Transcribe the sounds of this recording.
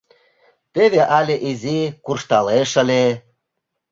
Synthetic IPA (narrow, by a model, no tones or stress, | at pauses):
t̪eβeʔɑlʲeʔizikurʃt̪ɑleʃə̆lʲe